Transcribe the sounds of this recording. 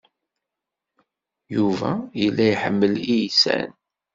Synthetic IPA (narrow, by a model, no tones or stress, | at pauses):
juvæəlːæjħəmːəlijsæ̰n